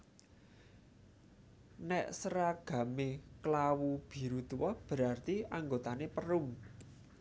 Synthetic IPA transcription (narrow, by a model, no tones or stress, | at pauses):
nɛʔsəɾaɡ̥a̤meklawub̥i̤ɾut̪uwɔb̥ə̤ɾart̪iaŋɡot̪anepəɾʊm